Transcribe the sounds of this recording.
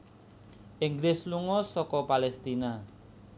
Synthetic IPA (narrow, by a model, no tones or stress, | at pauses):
ʔɪŋɡlɪsluŋɔsɔkɔpalɛst̪ina